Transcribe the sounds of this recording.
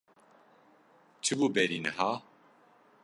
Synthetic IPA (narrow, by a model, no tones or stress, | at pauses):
t͡ʃʰɨbuːbɛɾinɛ̰haː